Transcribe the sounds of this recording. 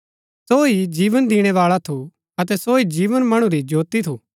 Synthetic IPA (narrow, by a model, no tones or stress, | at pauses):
soːid͡ʒiːʋənd̪ɪɽ̃ɛʋaːɭat̪ʰo | ɐt̪̬ɛsoːid͡ʒiːʋənmɐɽ̃ũɾid͡ʒoːt̪it̪ʰuː